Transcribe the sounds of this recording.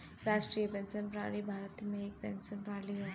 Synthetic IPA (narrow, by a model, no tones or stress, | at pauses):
ɾaːsʈɾiːjəpɛ̃nsənpɾaːɭibʱaːɾt̪mẽek̚pɛ̃nsənpɾaːliɦo